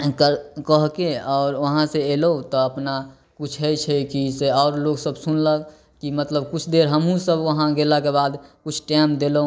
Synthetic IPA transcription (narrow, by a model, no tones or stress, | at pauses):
kəɾkəɦkeɔːɾʋəɦãseelot̪ɔəpna | kut͡ʃʰɦɛit͡ʃʰɛkiseɔːɾloɡsəbsunlə | kimət̪ləb̚kʊt͡ʃʰd̪eɾɦəmɦũsəbʋəɦãɡelakebad̪kʊt͡ʃʰʈaɪmd̪elo